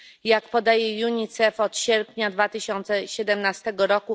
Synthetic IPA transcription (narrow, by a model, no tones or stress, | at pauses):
jakpɔd̪ajɛjuɲit̪sɛfɔt̪ɕɛɾpʲɲad̪vat̪ɘɕɔnt̪sɛɕɛd̪ɛmnast̪ɛɡɔɾɔku